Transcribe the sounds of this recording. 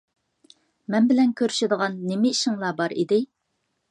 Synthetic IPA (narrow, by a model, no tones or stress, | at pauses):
mɛnbɪlɛnkʲʰøɾyʃɪd̪əʁɑnːemɪiʃɪŋlˠɑbɑɾḭd̪ɪ